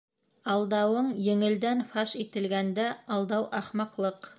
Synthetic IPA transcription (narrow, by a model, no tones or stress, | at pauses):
ɑlˠd̪ɑwɤɴjɘ̆ŋɘ̆ld̪ænfɑʃit̪ɘ̆lɡænd̪æɑlˠd̪ɑwʔɑχmɑqlˠɤq